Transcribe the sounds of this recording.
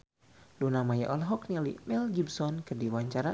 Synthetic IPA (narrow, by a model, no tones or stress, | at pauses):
dunamajaʔolaɦɔk̚nilḭmɛlɡibsɔnkɨrdiwaɲt͡ʃaɾa